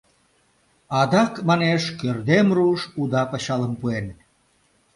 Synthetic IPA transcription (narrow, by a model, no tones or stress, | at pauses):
ɑd̪ɑkmɑneʃkørd̪emruʃud̪ɑpə̆ɕɑləmpuen